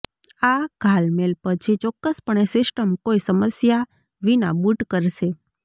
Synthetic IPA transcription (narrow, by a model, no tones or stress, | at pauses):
aɡ̥ʱalmelpət͡ʃʰit͡ʃɔkːəspəɳesɪsʈəmkoisəməsja | ʋina̰buʈkəɾʃe